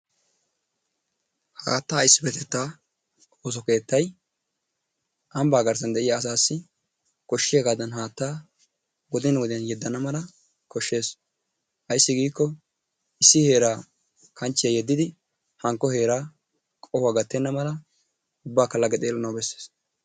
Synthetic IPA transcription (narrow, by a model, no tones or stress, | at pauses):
haːt̪ːaːjɪsːɪbɛt̪ɛt̪ːaː | oːs̬ɔke̞ːt̪ːɐj | ʔɐmbaːɡɐɾsɐnd̪ɛʔɪjaːs̬aːsːɪ | kɔʃːɪjaɡaːd̪ɐnɦaːt̪ːaː | ɡɔd̪ɪnɐwɔd̪ɪjɐnjɛd̪ːɐnɐmɐlɐ | kɔʃːe̞ːs | ʔɐjsːɪɡiːkːɔ | ʔɪsːɪhe̞ːɾaː | kʰɐnt͡ʃːɪjɐjɛd̪ːɪd̪ɪ | hɐŋkːɔhe̞ːɾaː | kʼɔhʊaːɡɐt̪ːɛnːɐmɐlɐ | ʊbːaːkɐlːɐɡɛt̪ʼeːlːɐnɐwbɛsːeːs